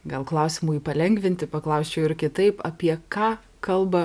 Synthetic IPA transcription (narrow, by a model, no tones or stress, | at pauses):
ɡɐlˠklˠɐʊsʲɪmuːiːpɐlʲɛŋɡʋʲɪnʲt̪ʲɪpɐklˠɐʊsʲt͡ʃʲɛʊɪɾkʲɪt̪ɐɪpɐpʲiɛkɑː | kɐlˠbɐ